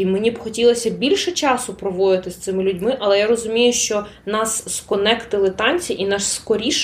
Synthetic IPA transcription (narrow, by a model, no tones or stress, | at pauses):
menʲibxɔtʲilˠɔsʲɐbʲilʲʃɛt͡ʃɑsʊpɾɔʋɔd̪ɪt̪ɪst̪sɪmɪlʲʊdʲmɪʔɐlˠɛjaɾɔzʊmʲijʊʃt͡ʃɔnɑsːkɔnɛkt̪ɪlˠɪt̪ɑnʲt͡sʲiʔinɑʃskɔɾʲiʃ